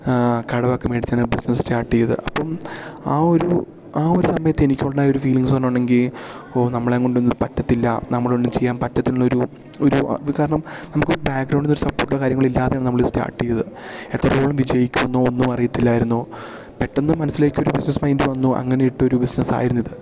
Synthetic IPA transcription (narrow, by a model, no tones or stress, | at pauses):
kɐɽɐʋakːɐmeːɽit̪ːaːɳɨbisnɐsstaːʈːijɐðɨ̰ʔɐpːɐmaːoɾu | aːo̞ɾusɐmɐjɐt̪ːenikʲːoɭːɐnaːjo̞ɾufiːliŋspɐnːoːɳɖe̞ŋɡilo̞ːnɐmːɐɭeŋːɡoɳɖunːɨpɐtːɐt̪ːilːɐ̰nɐmːɐɭonɖɨmt͡ɕe̞jːaːnpɐtːɐt̪ːilulːɐoɾu | oɾukaːɾɐɳɐmnɐmukːoɾubaːkɡrɐwɳɖinoɾusɐpːo̞ːrʈːilːɐkaːɾjɐŋːɐɭilːaːðejaːɳɨnɐmɐɭɨsta̰ːʈːijɐðɨe̞t̪ːrɐoːɭɐmʋid͡ʑjɐjikʲːuʋɐnːoːonːumɐrijit̪ːilːaːjiɾunːu | pe̞ʈːɐnːɨmɐnɐsːile̞ːkʲːo̞ɾubisnɐsmɐjindɨʋɐnːuʔɐ̰ŋːɐne̞jiʈːɨo̞ɾubisnɐsa̰ːjiɾunːɐðɨ